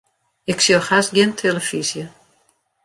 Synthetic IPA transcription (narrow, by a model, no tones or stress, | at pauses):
ɪksjoxasɡɪntʰeləfisjə